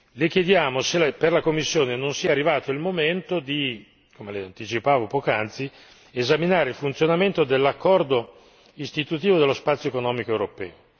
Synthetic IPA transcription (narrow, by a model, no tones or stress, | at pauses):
lek̟jed̪jaːmoselperlakomːisːjoːnenonsiːarːivaːt̪oilmoment̪od̪i | komeleant̪it͡ʃipaːvopɔːkoant̪si | ezaminaːɾeilfunt̪jonament̪od̪elːakːɔrd̪o | ist̪it̪ut̪iːvod̪elːospat̪sjoekonɔːmikoewɾopɛːo